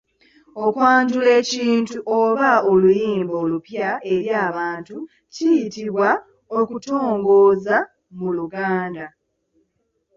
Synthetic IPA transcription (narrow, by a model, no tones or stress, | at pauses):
okwaːntule̞ːciːntuʔoβaolujiːmbo̞ːlupjae̞ɾjaːβaːntu | cijitiβwa | okuto̞ːŋɡo̞ːza | muluɡaːnda